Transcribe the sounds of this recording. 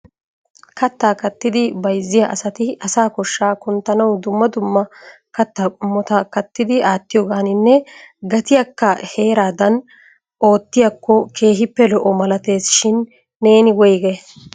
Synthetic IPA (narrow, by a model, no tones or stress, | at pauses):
kɐt̪ːaːkɐt̪ːɪd̪ɪbɐjzːɪjaʔɐsɐt̪ɪʔɐsaːkɔʃːaːkʊnt̪ːɐnɐwd̪ʊmːɐd̪ʊmːɐ | kɐt̪ːakʼʊmːɔt̪ɐkɐt̪ːɪd̪ɪʔaːt̪ːɪjɔːɡaːnɪnːɛɡɐt̪ɪjɐkːɐhe̞ːɾaːd̪ɐn | o̞ːt̪ːɪjɐkːɔke̞ːɦɪpːɛlɔʔɔmɐlɐt̪e̞ːsʃɪnː | e̞ːnɪwɔjɡɛ